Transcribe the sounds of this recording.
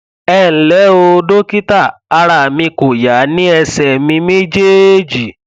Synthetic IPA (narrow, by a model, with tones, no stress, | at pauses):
ɛ˦˨n̩˨lɛ˨˦o˧do˦ki˦ta˦˨a˧ɾa˨mĩ˧ko˨ja˨˦nĩ˦ɛ˧sɛ˨mĩ˧mĩ˦d͡ʒe˦e˦d͡ʒi˨